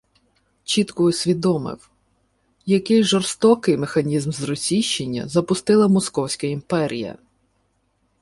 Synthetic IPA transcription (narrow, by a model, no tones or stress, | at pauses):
t͡ʃit̪kʊʊsʲʋʲid̪ɔmɪ̰w | jɐkɪjʒɔrst̪ɔkɪjmexɐnʲizmzrɔsʲiʃt͡ʃenʲːɐ̰zɐpʊst̪ɪlˠɐmɔskɔwsʲkɐimpɛɾʲḭjɐ̰